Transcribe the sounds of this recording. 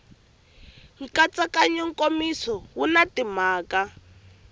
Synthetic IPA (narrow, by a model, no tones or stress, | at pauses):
ŋ̩kat͡sʼakʼaɲɔŋ̩kʼomisɔwunatimaːka